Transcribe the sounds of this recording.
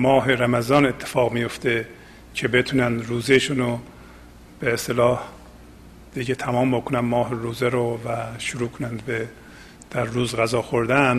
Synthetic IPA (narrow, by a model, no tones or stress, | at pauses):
mɒːɦeɾæmæzɒːnet̪ʰːe̥fɒːɣmijo̞ft̪e | cʰe̞be̞t̪ʰunænd̪ruːzeʃuno | b̥eːst̪elɒːh | d̪̥iɟet̪ʰæmɒːmbo̞kʰonænmɒːɦeɾuːzeɾovæʃuɾuːkʰonænd̪be | d̪̥æɾːuːzɣæzɒːxoɾd̪æn